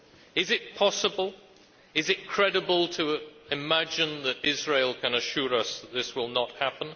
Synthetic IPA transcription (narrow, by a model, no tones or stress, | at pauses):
ɪzɪt̚pʰɑsəbəlˠ | ɪzɨt̚kʰɹ̥ɛɾəbəlˠtʰəɪmæd͡ʒɪ̃nðəɾɪzɹeɪlˠkʰə̃nəʃʊːɹʌsðət̪̚ðɪswɪlˠnət̚hapə̃n